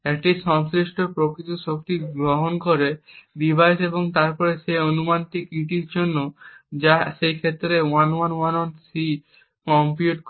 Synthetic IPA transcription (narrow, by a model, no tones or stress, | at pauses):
ɛk̚ʈiʃɔŋsɾiʃʈʰoɾpɾokɾit̪oʃok̚t̪iɡɾoɦonkoɾedibʱajseboŋt̪aɾpɔɾeʃeonumanʈikiʈiɾd͡ʑonːod͡ʑaʃejkʰet̪ːɾewanwanwanɔnsi | kɔmpiuʈk